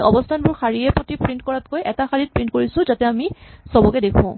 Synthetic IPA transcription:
ɔbɔstʰanbʊɹxaɹiɛpɹotipɹintkɔɹatkojʔɛtaxaɹit̚pɹintkoɹisʊ̃zatɛamisɔbɔkɛdekʰũ

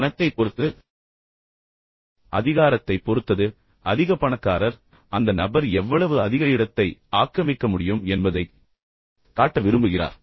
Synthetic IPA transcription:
nɐt̪ːɐɪpːɔɾɯt̪ːɯ | ʔɐðɪɣaːɾɐt̪ːɐɪpːɔɾɯt̪ːɐðɯ | ɐðɪɣɐpːɐɳɐkːaːɾɐɾ | ɐnd̪ɐnɐbɐɾɛʋːɐɭɐʋɯɐðɪɣɐɪɽɐt̪ːɐɪaːkːɐmɪkːɐmʊɽɪjɯmɛnbɐðɐɪ | kaːʈːɐʋɪɾɯmbɯɣɪra̰ːɾ

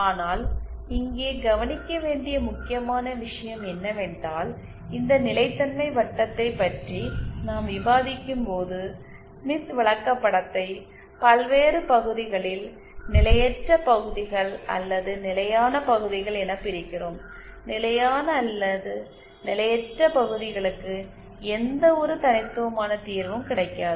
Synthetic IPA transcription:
aːnaːlɪŋɡeːɡɐʋɐnɪkːɐʋeːɳɖɪjɐmʊkːɪjɐmaːnɐʋɪʂɐjɐmɛnːɐʋeːɳɖaːl | ɪnd̪ɐnɪlɐɪt̪ːɐnmɐɪʋɐʈːɐt̪ːɐɪpːɐʈrinaːmʋɪbaːðɪkːɯmpoːðɯ | mɪsʋɐɭɐkːɐpːɐɽɐt̪ːɐɪ | pɐlʋeːrɯpɐɣɯðɪɣɐɭɪl | nɪlɐjɛʈrɐpɐɣɯðɪɣɐɭɐ̰lːɐðɯnɪlɐjaːnɐpɐɣɯðɪɣɐɭɛnɐpːɪɾɪkːɪroːm | nɪlɐjaːnɐːlːɐðɯ | nɪlɐjɛʈrɐpɐɣɯðɪɣɐɭɯkːɯ | ɛnd̪ɐɔɾɯt̪ɐnɪt̪ːɯʋɐmaːnɐt̪iːɾʋɐmkɪɽɐɪkːaːðɯ

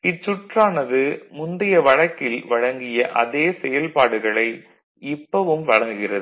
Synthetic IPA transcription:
ɪʈt͡ʃːʊʈraːnɐðɯmʊnd̪ɪjɐʋɐɻɐkːɪlʋɐɻɐŋɡɪjɐʔɐðeːsɛjɐlpaːɽɯɣɐɭɐɪ | ɪpːɐʋɯmʋɐɻɐŋɡɯɣɪrɐðɯ

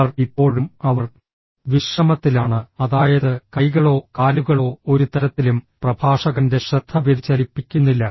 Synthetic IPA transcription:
ɐripːo̞ːɻumɐʋɐr | ʋiʂrɐmɐt̪ːilaːɳɨɐðaːjɐðɨkɐjɣɐɭo̞ːkaːluɣɐɭo̞ːoɾut̪ɐɾɐt̪ːilumprɐbʱaːʂɐɣɐnde̞ɕrɐd̪̥ʰʱːɐʋeðit͡ɕːɐlipːikʲːunːilːɐ

